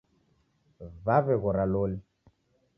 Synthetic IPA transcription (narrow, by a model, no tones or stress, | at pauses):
vavɛɣɔɾaloli